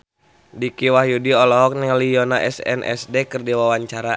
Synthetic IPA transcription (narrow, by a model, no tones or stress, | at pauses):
dikiwahjudiɔlɔɦɔk̚nɛŋlijɔnaʔɛsɛ̰nʔɛ̰sdɛkɨrdiwawaɲt͡ʃaɾa